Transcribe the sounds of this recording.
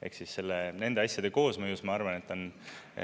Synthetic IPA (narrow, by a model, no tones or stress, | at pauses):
e̞̰ksisse̞lːene̞nd̪eɑsʲjɑd̪̥e̞ko̞ːsmɤjusmɑɑrvɑne̞t̪ːˑon